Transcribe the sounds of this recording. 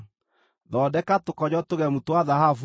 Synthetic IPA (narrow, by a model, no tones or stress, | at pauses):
ðɔdɛkatokɔd͡ʒɔtoɣɛmutowaðahaf